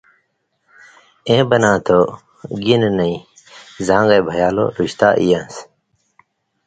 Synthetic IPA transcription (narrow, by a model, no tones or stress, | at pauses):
ẽːbɐnãːt̪ʰo | ɡinnɐĩ | zãːŋɡɐjbʱɐjaːlo̰ɾuɕt̪a̰ːʔijãns